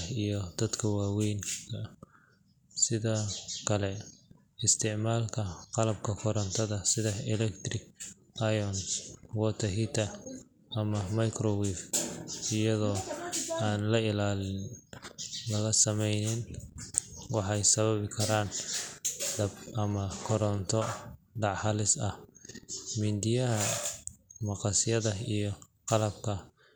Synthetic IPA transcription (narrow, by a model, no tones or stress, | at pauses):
ijɞd̪̥ɐd̪kʰɐwaːwɛjnkʰɐ | sɪðɔːkʰɐlɛ | ɪst̪ʰɪʕmaːlkʰɐqɑlɐb̚kʰɐkʰɔɾɐnt̪ʰɐðɐsɪðɐɪlɛkt̪rɪɡ | ʔajɔnwɔːt̪ʰɐɦit̪ʰɐ | ɐmɐmɐjkʰrɔwifɪjɐðɔːaːnlɐɪlaːlɪn | lɐɣɐsɐmɛjnɪn | wɑħɑjsɐβɐβɪkʰɐɾaːn | ɖɐbʔɐmɐkʰɔɾɔnt̪ʰɔ | ɖɑʕħɑlɪsɐh | mind̪ɪjɐɦɐ | mɑqɑsɪjɐðɐijɞqɑlɐb̚kʰɐ